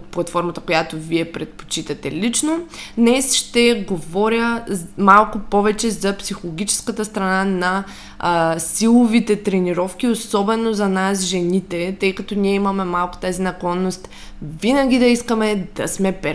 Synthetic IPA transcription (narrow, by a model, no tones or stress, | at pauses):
t̪̚plˠɐt̪fɔɾmɐt̪ə̥kojat̪oviɛpɾɛt̪̚po̥t͡ʃit̪ɐt̪ɛlit͡ʃnod̪nɛsʃt̪ɛɡovɔɾʲəmalˠkopɔvɛt͡ʃɛzɐpsixolˠoɡʲit͡ʃɛ̥skət̪əst̪ɾɐnanɐ | silˠovit̪ɛt̪ɾɛniɾɔfkʲiosɔbɛnozɐnasʒɛnit̪ɛt̪əjkɐt̪oniɛimɐmɛmalˠko̥t̪azinɐklˠɔnːost̪ | vinɐɡʲid̪ɐiskəmɛd̪ɐsmɛpɛ